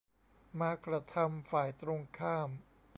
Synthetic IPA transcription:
maː˧kɾa˧t̪ʰa˧mfaː˨˩jt̪ɾo˧ŋkʰaː˥˩m

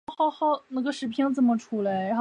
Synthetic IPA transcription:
xɑ˥˩ʊxɑ˥˩ʊna˧˥˩ɡə˧ʂɻ̩˧˥pʰjɛ˥ŋt͡sə˨˩nmə˩ʈ͡ʂʰu˥la˧˥ɪ˧˥

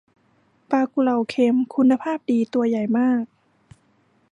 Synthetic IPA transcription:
paː˧ku˧la˧˩wkʰe˧˦mkʰu˧nːa˧pʰaː˥˩p̚diː˨˧t̪u˧ɐja˨˩jmaː˥˩k̚

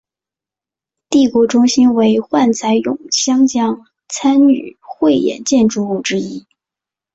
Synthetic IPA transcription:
t̪i˥˩kwɔ˧˥ʈ͡ʂʊ˥ŋɕi˥nwe˧˥ɪxwa˥˩nt͡sʰa˧˥ɪjʊ̰˨˩ŋɕjɑ˥ŋt͡ɕjɑ˥ŋ | t͡sʰa˥ny̰˨˩xwe˥˧ɪjɛ̰˨˩nt͡ɕjɛ˥˧nʈ͡ʂu˥˧u˥˩ʈ͡ʂɻ̩˥i˥

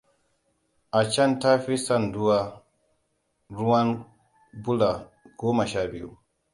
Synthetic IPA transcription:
ʔa˨t͡ʃa˦nta˦fi˦sa˦ndu˦wa˦ | ɾu˦wa˦n | bu˦la˨ɡ̥ɔː˦ma˨ʃa˦bi˨ṵ˨

